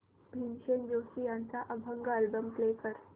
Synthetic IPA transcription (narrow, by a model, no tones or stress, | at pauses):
bʱimɕend͡ʑosijãnt͡saʔəbʱəŋɡaəlbəmklekəɾ